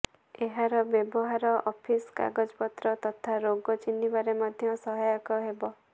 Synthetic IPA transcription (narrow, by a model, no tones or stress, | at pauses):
eɦaɾɔbjebɔɦaɾɔʔɔpʰiska̰ɡɔd͡ʒɔpɔt̪ɾɔt̪ɔt̪ʰaɾoɡɔt͡ʃinːibaɾemad̪ʱjɔsɔɦajɔkɔɦebɔ